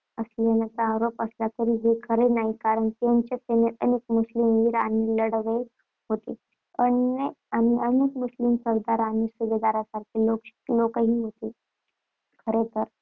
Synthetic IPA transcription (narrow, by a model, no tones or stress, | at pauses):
əslenat͡səaɾopəslat̪əɾiːɦekʰəɾenaɦikaɾəɳt̪eɲt͡ɕeseneʔənekmuslimʋiːɾaniːləɽʋe | ɦot̪e | əneañiʔənekmuslimsəɾd̪aɾanisuʋed̪aɾjasaɾkʰiloklokəɦiːɦot̪e | kʰəɾet̪əɾ